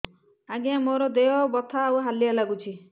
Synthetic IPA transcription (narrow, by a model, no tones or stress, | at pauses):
aɡiãmoɾɔd̪eɦɔbɔt̪ʰaːwɦalialaɡut͡ʃʰi